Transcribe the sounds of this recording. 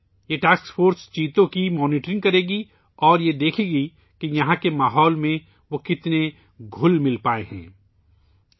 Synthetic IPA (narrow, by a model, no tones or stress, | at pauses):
jeʈaːsksfʰoːɾst͡ʃiːt̪õkimɔːniːʈɾɪ̃ŋɡ̚kɐɾeːɡi | ɔːɾjed̪eːkʰeɡi | kijɐɦãkemaːɦɔːlmẽ | ʋokɪt̪ne | ɡʱʊlmɪlpaːeɦɛ̰̃ː